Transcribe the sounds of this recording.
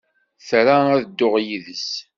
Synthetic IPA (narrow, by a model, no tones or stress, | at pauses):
θɾaæðəd̪ːʊʁjiðəs